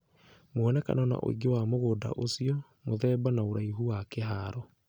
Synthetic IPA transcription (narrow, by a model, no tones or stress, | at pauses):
moɛnɛka̰nana̰ʔo̰ḭɡewamoɣoːda̰ʔosiɔ | moðɛbanaoɾaiɦuwakeɦaɾɔ